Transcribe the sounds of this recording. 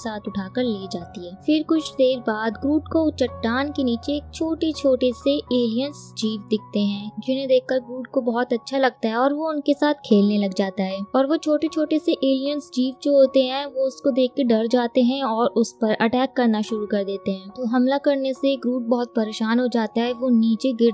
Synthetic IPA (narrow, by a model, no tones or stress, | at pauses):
saːt̪ʰʊʈʰaːkəɾleːd͡ʒaːt̪iɦɛːfɪɾkʊt͡ʃʰd̪eːɾbaːd̪ɡɾuːʈkot͡ʃɐʈːaːnkeniːt͡ʃeːk̚t͡ʃʰoːʈet͡ʃʰoːʈeseeːlijənsd͡ʒiːʋd̪ɪk̚ʰt̪eɦɛ̃ːd͡ʒɪnɦẽd̪eːkʰkɐɾɡɾuːʈ̚kobɐɦɔt̪ɐtːʃʰalɐɡ̚t̪aɦɛɔːɾʋoʊnkesaːt̪ʰkʰeːlnelɐɡd͡ʒaːt̪aɦɛːɔːɾʋot͡ʃʰoːʈet͡ʃʰoːʈeseʔeːlijənsd͡ʒiːʋd͡ʒoɦoːt̪eɦɛ̃ʋoʊskod̪eːk̚ʰkeɖɐɾd͡ʒaːt̪eɦɛ̃ɔːɾʊspɐɾɐʈɛːkːɐɾnaʃʊɾukɐɾd̪eːt̪eɦɛ̃ːt̪oɦɐmlakɐɾneseɡɾuːʈ̚bɔɦt̪̚pɐɾeːʃaːnɦod͡ʒaːt̪aɦɛʋoniːt͡ʃeɡɪɾ